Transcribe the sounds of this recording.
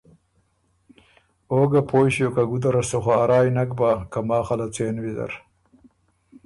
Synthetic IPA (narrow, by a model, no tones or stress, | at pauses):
oːɡapʰoːjɕjokaɡud̪aɾasoxaaɾɑːjnak̚bakamɑːxalat͡seːnwizɐ̰ɾ